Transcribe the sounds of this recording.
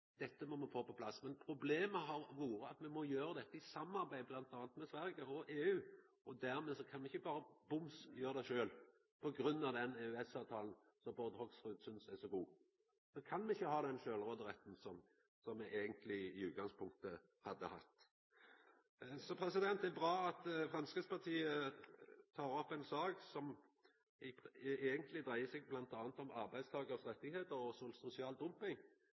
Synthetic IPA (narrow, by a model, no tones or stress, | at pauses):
d̪̥ɛt̪ːəmɔmɛfoːpɔpʰlɑsːmɛnpʰɾʊbleːməɦɑɾʋuːɾəɑt̪mɛmɔjøːɾəd̪ɛt̪ːəɪsɑmːɑʁbæɪblɑnt̪ɑːnət̪mɛsʋæɾɡəɔʔeːʉː | ɔd̪æɾmɛsɔkʰɑnmɛɪçːəbɑːɾəbʊmsjøːɾəd̪æʃøːl | pʰɔɡɾʉnːɑʋd̪ɛneːʉɛsɑːʋt̪ʰɑːln̩ | sɔbɔʁd̪hɔɡsʁʉːd̪sʏnsæsɔɡuː | sɔkʰɑnmɛɪçːəhɑːd̪ɛnʃøːlʁoːd̪əʁɛt̪ːn̩sɔm | sɔmːɛʔeːɡənt̪ʰlɪɪʉːt̪̚ɡɑŋspʰʊŋk̚t̪ə | hɑd̪ːəhɑt̪ː | sɔpʰɾɛsɪd̪ɛnt̪ɛbʁɑːɑt̪fʁɑnskəspɑt̪ʰiːə | t̪ʰɑːɾɔpːɛnsɑːɡsɔm | eːɡənt̪lɪd̪ʁæɪəsɛɡblɑnt̪ɑːnət̪ɔmɑʁbæɪst̪ʰɑːɡəsʁɛt̪ːɪɡheːt̪əɾɔsɔsʊsɪɑːld̪ʊmpɪŋ